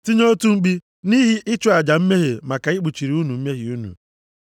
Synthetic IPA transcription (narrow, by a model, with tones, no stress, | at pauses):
ti˦ɲo˦tu˦ŋ͡m̩˦ɡ͡bi˦ | ni˦ɦi˦ʔɪ˦t͡ʃʊ˦˨a˨d͡ʒa˨m̩˦me˦ɦe˨ma˨ka˨ɪ˦ɡ͡bu˨t͡ʃi˨ɾi˨u˦nu˨m̩˦me˦ɦi˨u˦nṵ˨